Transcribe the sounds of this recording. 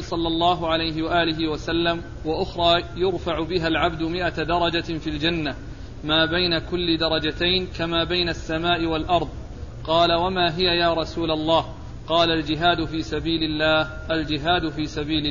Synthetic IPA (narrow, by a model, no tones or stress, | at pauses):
sˤɑlːɑlːɑːɦʊʕalajɦɪwaʔaːlɪɦɪwasalːam | waʔʊxɾˤɑːjʊɾfaʕʊbɪɦalʕabd̪ʊmɪʔad̪ɑɾˤɑd͡ʒafiːld͡ʒanːa | maːbajnakʊlːɪd̪ɑɾˤɑd͡ʒat̪ajnkamaːbajnasːamaːʔɪwalʔɑɾˤðˤ | qɑːlawamaːɦɪjajaːɾˤɑsuːlalˤːɑːh | qɑːlald͡ʒɪɦaːd̪ʊfiːsabiːlɪlːaːhʔald͡ʒɪɦaːd̪ʊfiːsabiːlɪ